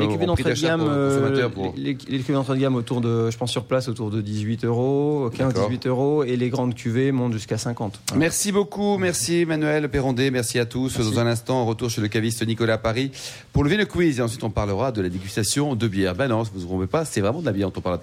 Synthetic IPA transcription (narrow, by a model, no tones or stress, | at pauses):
lekyved̪ɑ̃t̪ɡamʁlelekʲyved̪ɑ̃t̪χəd̪ɡamot̪uʁd̪əʒəpɑ̃sːyʁplasot̪uʁd̪əd̪izɥit̪øʁokɛ̃zd̪izɥit̪øʁoeleɡʁɑ̃d̪kʲyvemɔ̃t̪ʒyskasɛ̃kɑ̃t̪mɛʁsibokumɛʁsimanɥɛlpeʁɑ̃d̪emɛʁsiat̪usd̪ɑ̃zɛ̃nɛ̃st̪ɑ̃ɛ̃ʁət̪uʁʃeləkavist̪ənikɔlapaʁi | puʁləveləkwizeɑ̃sɥit̪ɔ̃paʁləʁad̪əlad̪eɡʲyst̪asjɔ̃d̪əbjɛʁbɛnɔ̃svuzʁɔ̃pepasɛvʁɛmɑ̃d̪əlabjɛɑ̃t̪ɔ̃pal